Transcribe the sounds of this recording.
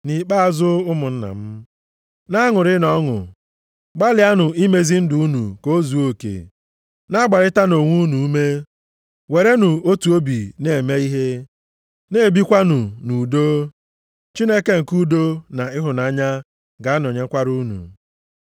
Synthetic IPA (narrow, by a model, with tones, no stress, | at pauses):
ni˨k͡pa˦a˨zʊ˦ʊ˦mʊ˨n̩˦na̰˨m̩˦ | na˦ŋʊ˨ɾɪ˦nɔ˦ŋʊ̰˨ | ɡ͡ba˦lɪ˨a˦nʊ˨ʔi˦me˦zi˦n̩˦dʊ˨u˦nṵ˨ko˦zu˨o˦kḛ˨ | na˦ɡ͡ba˨ɾɪ˦ta˦no˨ŋʷu˦nu˨u˦me˦ | we˨ɾe˦nuʊ˨o˦tu˨o˦bi˨ne˨me˦i˦ɦe˦ | ne˦˨bi˦kʷa˦nʊ˨nu˨do˦ | t͡ʃi˦ne˦ke˨ŋ̩˨ku˦do˦na˨ɪ˦ɦʊ˨na˨˦ɲa˦ | ɡa˨a˦n˨o˨ɲe˦kʷa˦ɾu˦nṵ˨